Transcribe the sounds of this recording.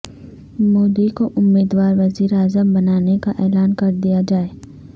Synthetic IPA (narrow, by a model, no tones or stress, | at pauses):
moːd̪ikoʔʊmːiːd̪waːɾʋɐziːɾeaːzəmbɐnaːnekaʔɛːlaːnkɐɾd̪ijad͡ʒaːeː